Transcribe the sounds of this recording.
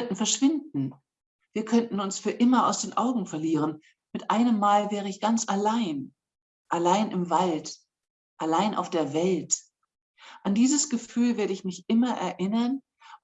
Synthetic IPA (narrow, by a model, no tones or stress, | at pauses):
ntn̩fɛɐʃv̥ɪndn̩ | viːɐkʰœntn̩ʊnsfyːɐʔɪmɐa̰ʊsd̥eːnʔaʊɡŋ̩fɛɐliːʁ̞ən | mɪtʔaɪnəmːaːlvɛːʁ̞əɪçɡ̥ant͡sʔalaɪn | ʔalaɪnʔɪmvalt | ʔalaɪnʔa̰ʊfd̥eːɐvɛlt | ʔandiːzəsɡ̥əfyːlveːɐɾəɪçmɪçʔɪmɐʔɛɐʔɪnɐn